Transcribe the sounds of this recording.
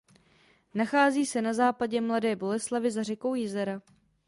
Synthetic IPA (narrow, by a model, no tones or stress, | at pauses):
naxaːziːsɛnazaːpaɟɛmladɛːbo̞lɛslavɪzar̝ɛko̞wjɪzɛɾa